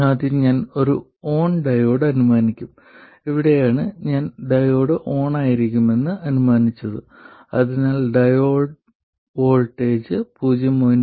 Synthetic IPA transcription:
aːd̪iɲaːno̞ɾu | o̞ːɳɖɐjo̞ːɽɐnumaːnikʲːum | iʋiɽejaːɳɨɲaːnɖɐjoːɽɨʔo̞ːɳaːjiɾikʲːume̞nːɨɐnumaːnit͡ɕːɐðɨ | ɐðinaːlɖɐjoːɖ | ʋo̞ːɭʈːeːd͡ʑɨpuːd͡ʑjɐmoːn

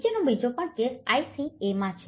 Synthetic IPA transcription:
d͡ʒenobʱid͡ʒopəɳkesajsiemãt͡ʃʰ

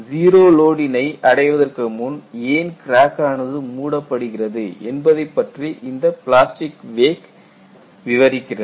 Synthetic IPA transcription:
ziːɾoːloːɽɪnɐɪʔɐɽɐɪʋɐðɐrkɯmʊneːnkɪɾaːkaːnɐðɯmuːɽɐpːɐɽɯɣɪrɐðɯɛnbɐðɐɪpːɐʈriʔɪnd̪ɐpɪɭaːsʈɪkʋeːk | ʋɪʋɐɾɪkːɪrɐ

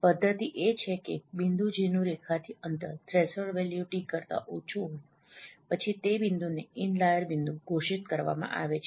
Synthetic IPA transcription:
pəd̪ʱːət̪iʔet͡ʃʰekebind̪ud͡ʒenũɾekʰat̪ʰiənt̪əɾt̪ɾesəɭʋɛljuʈikəɾt̪a̰ʔot͡ʃʰuɦoj | pət͡ʃʰit̪ebind̪uneɪnlajəɾbind̪uɡʱoʃit̪kəɾʋa̰mã̰ʔa̰ʋet͡ʃʰ

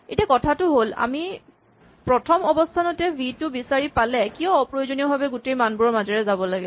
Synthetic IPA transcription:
etiakɔtʰatʊɦola̰mi | pɹɔtʰɔmɔbɔstʰanɔtɛbʱitʊbisaɹipalɛkijɔ̃pɹojozoniɔbabɛɡutejmanbuɹɔmazɛɹɛzabɔlaɡɛ

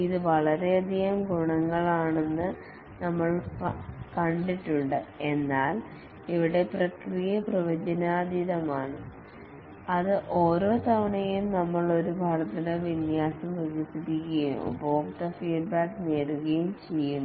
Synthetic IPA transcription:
iðɨʋɐɭɐɾe̞ɐd̪ʱijɐmɡuɳɐŋːɐɭaːɳe̞nːɨ | nɐmːɐɭ | kɐɳɖiʈːuɳɖɨe̞nːaːl | iʋiɽe̞prɐkrijɐprɐʋɐd͡ʑɐnaːd̪ʱiðɐmaːɳɨ | ɐðɨʔo̞ːɾo̞ːt̪ɐʋɐɳɐjimnɐmːɐɭo̞ɾubʱɐɽɐt̪ːɐnɨʋinjaːsɐmʋɐɡisiɾikʲːɐjṵmbo̞ːkt̪ɐfiːɖbaːkneːruɣɐjumt͡ɕe̞jːunːɐ

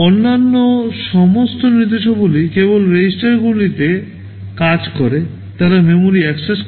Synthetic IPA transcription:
onːanːoʃɔmost̪onɾit̪eʃobolikebolɾed͡ʑisʈaɾɡulit̪e | kad͡ʑkɔɾe | t̪aɾamemoɾiɛkses

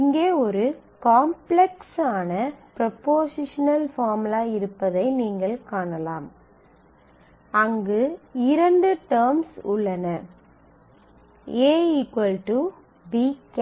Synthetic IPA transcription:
ɪŋɡeːɔɾɯ | kaːmplɛksaːnɐpɾɐpoːsɪʂɐnɐlfaːmɪlaːɪɾɯpːɐðɐɪniːŋɡɐɭkaːɳɐlaːm | ɐŋɡɯɪɾɐɳɖɯʈɐːɾmsʊɭːɐnɐ | eːikɐlʈu | bik

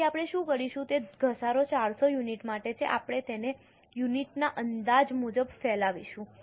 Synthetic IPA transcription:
apɽ̃eʃũkəɽiʃũt̪eɡʱəsaɾot͡ʃaɽsojuniʈmaʈet͡ʃʰḛʔapɽ̃et̪ene | juniʈnaʔənd̪ad͡ʒmud͡ʒəbfɛlaʋiʃũ

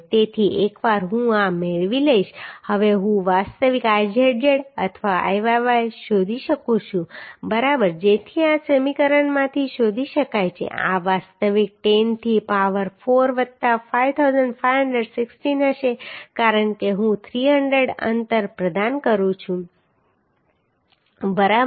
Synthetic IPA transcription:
t̪et̪ʰiekʋaɾɦũameɭʋiləiʃhəʋeɦũʋast̪əʋikad͡ʒeɽjəɽə̰t̪ʰʋaa̰jʋaʋajʃod̪ʱiʃəkũt͡ʃʰũbəɾabəɾd͡ʒet̪ʰiasəmikəɾəɳmãt̪ʰiʃod̪ʱiʃəkajt͡ʃʰḛa̰ʋast̪əʋik̚ʈent̪ʰipaʋəɾfoɾʋət̪afajʋt̪ʰawzəɳɖfajɦəɳɖɾəɖsiksʈinəʃekaɾəɳkeɦũt̪ʰɾiɦəɳɖəɖə̰nt̪əɾpɾəd̪ankəɾũt͡ʃʰũ | bəɾa

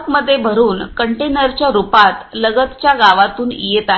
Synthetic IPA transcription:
kməd̪ʱːjebʱəɾuːnkəɳʈenəɾt͡ɕjaɾupat̪ləɡət̪t͡ɕjaɡaʋat̪uːnijet̪a

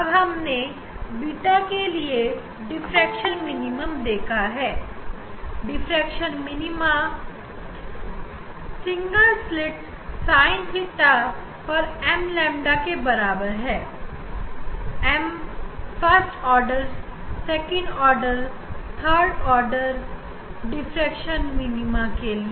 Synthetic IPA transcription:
ɐbɦɐmne | biːʈakelie | ɖɪfʰɾɛːkʃənmɪnɪməmd̪eːkʰaɦɛː | ɖɪfʰɾɛːkʃənmɪnɪma | sɪ̃ŋɡəlslɪʈ | saːɪ̃nsɪʈːa | pəɾɛmlɛ̃mɖakebəɾabəɾɦɛː | ɛmfəɾsʈɔːɾɖəɾssekə̃ɳɖɔːɾɖəɾ | t̪ʰəɾɖɔːɾɖəɾ | ɖɪfʰɾɛkʃənminimakelie

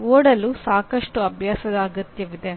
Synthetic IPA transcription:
oːɽɐlusaːkɐʂʈuɐbʱjaːsɐd̪ɐːɡɐt̪jɐʋid̪e̞

